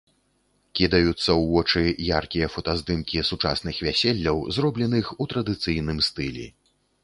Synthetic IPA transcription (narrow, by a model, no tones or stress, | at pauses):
kʲid̪ɐjut̪sːɐwːɔt͡ʂɨjarkʲijɐfɐt̪azd̪ɨmkʲisut͡ʂa̰sn̪ɨxvʲasʲelʲːɐwzrɔblʲɛnɨxut̪ɾɐd̪ɨt̪sɨjnɨmst̪ɨlʲḭ